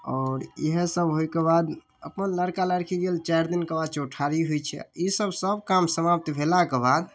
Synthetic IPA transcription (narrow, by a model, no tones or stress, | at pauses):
ɔːɾeɦəsəbɦojkebad̪ | əpənləɾkaləɾkʰiɡelt͡ʃaɾd̪inkebad̪t͡ʃuʈʰaɾiɦojt͡ʃʰɛ̰a̰isəbʱsəbkamsəmapt̪bʱelakebad̪